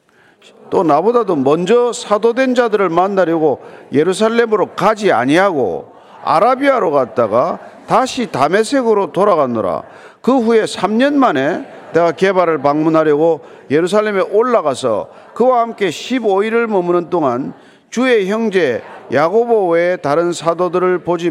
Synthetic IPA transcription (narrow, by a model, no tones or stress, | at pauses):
t͈onabodadomʌnd͡ʑʌsʰadodwe̞nd͡ʑadɯɾɯɭmandaɾjʌɡoje̞ɾus̬ʰaɭːe̞mɯɾokad͡ʑia̰ɲiɦaɡo̰ | a̰ɾabiaɾoɡat̚t͈aɡataɕʰitame̞sʰe̞ɡɯɾotoɾaɣano̰ɾa̰ | kɯɸuje̞sʰamɲʌnmane̞ | ne̞ɡake̞baɾɯɭpaŋmunɦaɾjʌɡo | je̞ɾusʰaɭːe̞me̞ʔoɭːaɣasʰʌ̰ | kɯwahamk͈e̞ɕʰiboiɾɯɭmʌmɯnɯnt͈oŋan | t͡ɕue̞çjʌŋd͡ʑe̞jaɡoboetaɾɯnsʰadodɯɾɯɭpod͡ʑi